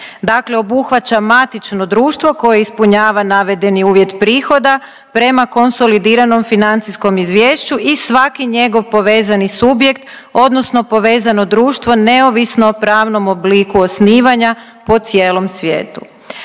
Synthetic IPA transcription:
d̪akle̞o̞buxʋat͡ɕamat̪it͡ʃno̞d̪ɾuːʃt̪ʋo̞ko̞jeispuɲaːʋanaʋe̞d̪e̞niuːʋje̞t̪pɾiːxo̞d̪a | pɾe̞mako̞nso̞lid̪iːɾano̞mfinant̪sisko̞mizʋjeːʃt͡ɕuʔisʋakiɲe̞ɡo̞ʋpo̞ʋe̞ːzanisubje̞kt̪ | o̞d̪no̞sno̞po̞ʋe̞ːzano̞d̪ɾuːʃt̪ʋo̞ne̞o̞ʋisnoːpɾaːʋno̞mobliːkuosniːʋaɲa | po̞t̪sje̞ːlˠo̞msʋjḛːt̪u

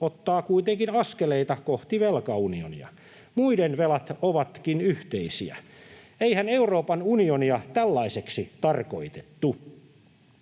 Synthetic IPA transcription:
ot̪ːɑːkuit̪eŋkinɑskeleit̪ɑkoht̪iʋelkɑunionḭɑ̰ | muidenʋelɑt̪oʋɑt̪kinyht̪eisḭæ̰ | eihæneuroːpɑnunioniɑt̪ælːɑiseksit̪ɑrko̞̰it̪et̪ːu

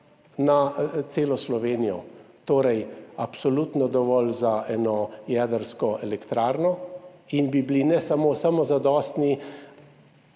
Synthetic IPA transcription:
nat̪seːlɔslɔʋeːnijɔ̰ | t̪oːɾɛjapsɔlut̪nɔd̪ɔʋɔlzaɛːnɔjɛːd̪əɾskɔʔɛlɛkt̪ɾaːɾnɔinbiblinɛsamoːsamɔzad̪ɔːst̪ni

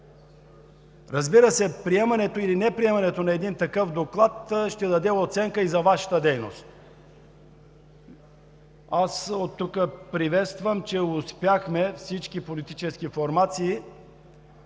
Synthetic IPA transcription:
ɾɐzbiɾəsɛpɾiɛmɐnɛt̪oilinɛpɾiɛmɐnɛt̪onɐɛd̪int̪ɐkɤfd̪oklˠat̪ʃt̪ɛd̪ɐd̪ɛot̪sɛŋkəizɐvaʃɐ̥t̪əd̪ɛjno̰st̪ | asot̪ːukəpɾivɛt̪st̪vəmt͡ʃɛʊspjaxmɛfsit͡ʃkipolit̪it͡ʃɛsk̟ifoɾmat̪siː

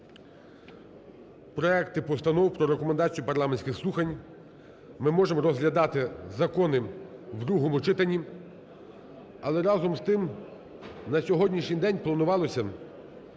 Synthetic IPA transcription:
pɾɔɛkt̪ɪpɔst̪ɐnɔwpɾɔɾekɔmend̪ɑt͡sʲijupɐrlˠɑmenʲsʲkʲɪxslˠuxɐnʲ | mɪmɔʒemɔɾɔzɦlʲɐd̪ɑt̪ɪzɐkɔnɪwd̪ɾuɦɔmʊt͡ʃɪt̪ɐnʲːi | ɐlˠɛɾɑzɔmst̪ɪm | nɐsʲɔɦɔdʲnʲiʃnʲijd̪ɛnʲplˠɐnʊʋɑlˠɔsʲɐ

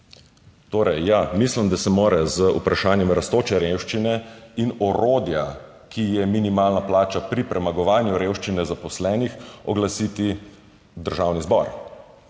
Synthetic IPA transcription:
t̪oːɾɛjːamislimd̪asɛmoːɾɛzəupɾaʃaːnjɛmɾast̪oːt͡ʃɛɾewʃt͡ʃinɛinɔɾoːd̪ja | kijɛminimaːlnaplaːt͡ʃapɾipɾɛmaɡɔʋaːnjuɾewʃt͡ʃinɛzapɔslɛːnixɔɡlasit̪i | d̪əɾʒawnizbɔɾ

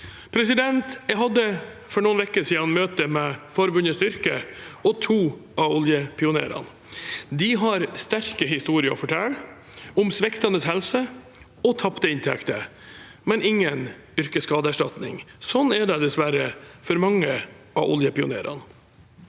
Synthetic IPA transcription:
pʰɾɛsɪd̪ɛnt̪jæɦɑd̪ːə | fɔɳuːnʋɛkːəsiːənmøːt̪əmɛfɔɾbʉnəsʏɾkəɔt̪ʰuːɑɔljəpʰɪʊnḛːɾɑ̰n | d̪ɪɦɑɾst̪æɾkəɦɪst̪uːɾɪəɔ̰fɔʈʰɛlː | ʊmsʋɛkt̪ɑnəshɛlsə | ɔt̪ʰɑpt̪əɪnt̪ʰɛ̰kt̪ə | mɛnɪŋːən | ʏɾkəskɑːd̪əæʂʈɑt̪nɪ̰ŋsɔnːæɖɛd̪ɛsʋæɾəfɔɾmɑŋːə | ʔɑʔɔ̰ljəpɪʊ̰nḛːɾɑ̰n

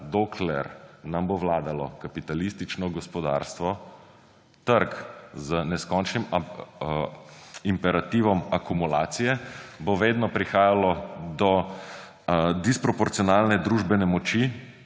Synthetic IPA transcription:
d̪okʰlɛɾnamboʋlaːd̪alɔ̰kapit̪alist̪it͡ʃnɔɡɔspɔd̪a̰ɾst̪ʋɔ | t̪əɾkzənɛskɔnt͡ʃnim | impɛɾat̪iːʋɔmakumulaːt̪sijɛboʋeːd̪nɔpɾixaːjalɔd̪ɔ | d̪ispɾɔpɔɾt̪siɔnalnɛd̪ɾuːʒbɛnɛmɔt͡ʃi

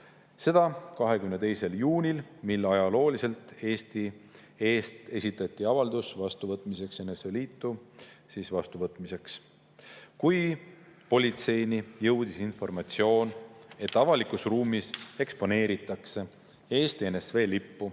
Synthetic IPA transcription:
se̞d̪̥ɑkɑɦe̞kymnet̪e̞jse̞ljuːnʲilmilːɑjɑlo̞ːlise̞lt̪e̞ːst̪i | e̞ːst̪e̞sʲit̪ːˑɑt̪ʲˑːiɑvɑld̪̥usvɑst̪uvɤt̪ˑmise̞kse̞nesveliːt̪ːˑu | sisvɑst̪uvɤt̪ːˑmise̞ks | kujpo̞lʲit̪se̞jnijɤwd̪̥isinfo̞rmɑt̪sio̞ːne̞t̪ːˑɑvɑlikusruːmise̞kspo̞ne̞ːɾit̪ːˑɑkse̞ | e̞ːst̪ie̞nesve̞ːlipːu

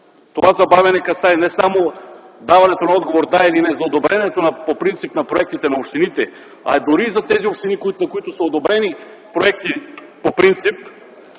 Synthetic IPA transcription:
t̪oazabavɛnɛkasaɛnɛsamo | d̪avanɛt̪onaɔd̪ɡovoɾd̪ailinɛzaod̪obɾɛnɛt̪onapopɾint̪sipnapɾoɛk̚t̪it̪ɛnaopʃt̪init̪ɛ | a̰ɛd̪uɾiːzat̪ɛziopʃt̪inikinakoit̪osɛod̪obɾɛni | pɾoɛk̚t̪i | popɾint̪sip

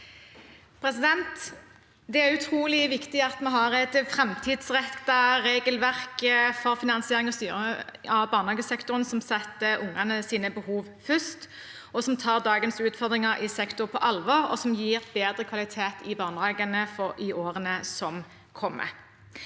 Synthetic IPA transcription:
pʰɾɛsɪd̪ɛnt̪ | d̪ɛæʁʉt̪ʰʁuːlɪʋɪkt̪ɪɑt̪mɛɦɑʁɛt̪fɾɛmt̪ʰiːd̪sʁɛt̪ːɑʁeːɡəlʋæʁkfɔʁfɪnɑnsɪeːʁɪŋɑst̪yːʁɑʋbɑːʁnhɑːɡəsɛkt̪ʊʁənsɔmsɛt̪ːəʊŋɑnəsiːnəbəhuːʋfœst̪ | ɔsɔmt̪ʰɑːʁd̪ɑːɡənsʉːt̪fɔʁd̪ʁɪŋɑʁʔɪsɛkt̪ʊʁpʰɔʔɑlʋɔːʁɔ̰sɔmjiːʁbeːd̪ʁəkʰʋɑlɪt̪ʰeːt̪ɪbɑːʁnʁɑːɡənəfɔʁɪoːʁənəsɔm | kʰɔmːə̰

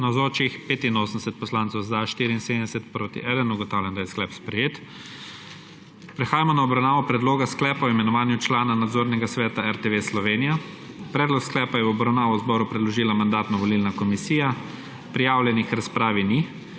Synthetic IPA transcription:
nazɔːt͡ʃixpeːt̪inoːsən̩d̪ɛ̥sɛt̪̚pɔslaːnsɛwzaʃt̪iːɾiinsed̪ɛsɛt̪̚pɾoːt̪ḭʔɛd̪ənuɡɔt̪awlʲjɛnd̪ajɛsklɛːpspɾɛjeːt̪ | pɾɛxaːjamɔnaɔbɾawnaːʋɔpɾɛd̪loːɡasklɛːpaɔimɛnɔʋaːnjut͡ʃlaːnanad̪zoːɾnɛɡasʋɛːt̪aɛɾt̪eʋeslɔʋenija | pɾɛːd̪lɔksklɛːpajɛwɔbɾawnaːʋɔzbɔːɾupɾɛd̪lɔʒiːlamand̪aːt̪nɔʋɔlilnakɔmisiːja | pɾijaːwlʲjɛnixɾaspɾaːʋini

